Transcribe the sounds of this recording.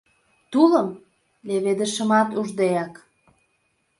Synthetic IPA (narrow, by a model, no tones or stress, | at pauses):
t̪uləm | leβed̪əʃə̆mɑt̪uʒd̪ejɑk